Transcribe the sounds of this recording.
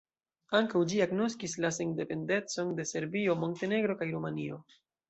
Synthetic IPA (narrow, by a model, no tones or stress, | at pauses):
aŋkawd͡ʒiaɡno̞skislaseŋde̞pe̞nde̞t͡so̞nde̞se̞ɾbio̞mo̞nte̞ne̞ɡɾo̞kajɾomanio̞